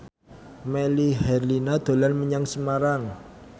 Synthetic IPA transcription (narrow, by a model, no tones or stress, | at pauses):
melihɛrlinad̪̥o̤lanməɲaŋsəmaɾaŋ